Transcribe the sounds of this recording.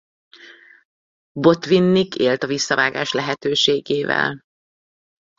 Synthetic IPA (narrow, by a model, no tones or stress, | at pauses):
bo̞t̪vinːikeːlt̪ɒvisːɒvaːɡaːʃlɛɦɛt̪øːʃeːɡeːvɛ̰l